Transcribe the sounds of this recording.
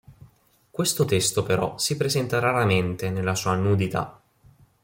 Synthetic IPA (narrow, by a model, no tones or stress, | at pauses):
kwest̪ot̪est̪opeɾɔ̰sipɾezɛnt̪aɾaɾament̪enelːasuːanud̪it̪a̰